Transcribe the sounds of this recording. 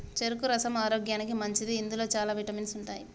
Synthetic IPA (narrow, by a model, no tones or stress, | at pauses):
t͡ʃeɾukuɾɐsɐmaːɾoːɡjaːnikimɐɲt͡ʃid̪iːnd̪ulo̞ːt͡ʃaːlaːʋiʈɐminsuɳʈaːji